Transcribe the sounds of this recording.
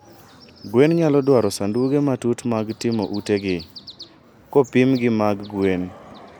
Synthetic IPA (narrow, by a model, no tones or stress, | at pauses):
ɡwenɲalɔdwaɾɔsanduɡematutmaɡtɪmo̰ʔuteɡɪ | kɔpimɡɪmaɡɡwen